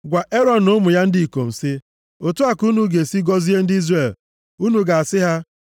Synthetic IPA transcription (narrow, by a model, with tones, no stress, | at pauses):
ɡʷa˨ʔe˦ɾɔ˦˨n̩˨o˦mʊ˨ja˦n̩˦di˦˨ko˨n̩˨sɪ˦ | o˨tu˦a˨ku˦nu˦ɡe˨si˦ɡɔ˦zi˦e˦n̩˦di˦zre˦˨l | u˦nu˨ɡa˨a˨sɪ˦ɦa˦